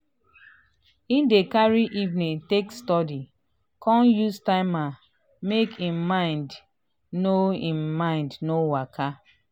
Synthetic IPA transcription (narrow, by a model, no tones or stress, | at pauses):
ĩndekaɹiʔivnĩtekstɔdi | kɔ̃njustãɪ̃ma | mekĩmmãɪ̃nd | noĩmːãɪ̃ndnowakʰa